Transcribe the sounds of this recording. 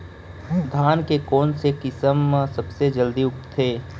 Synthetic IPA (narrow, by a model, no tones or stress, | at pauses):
d̪ʱaːnkekɔːnsekɪsəmsɐbsed͡ʒəld̪iʊkt̪t̪ʰeː